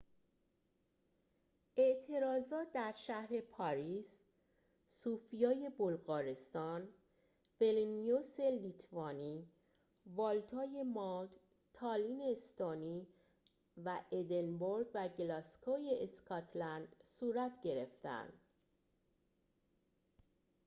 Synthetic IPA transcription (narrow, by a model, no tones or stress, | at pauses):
ʔe̞ʔt̪ʰe̞ɾɒːzɒːt̪̚d̪æɾʃæhɾe̞pʰɒɾiːs | suːfijɒːje̞bolɣɒːɾe̞st̪ɒːn | ve̞linijose̞lit̪ʰvɒːniː | vɒːlt̪ʰɒːje̞mɒd̪ | t̪ʰɒːliːnest̪ɒːniː | væʔed̪e̞nboɾɡvæɟelɒskʰoːjeʔːskʰɒt̪ʰlænd̪̥suːɾæt̪ʰɟe̞ɾe̞ft̪æ̰nd̪̥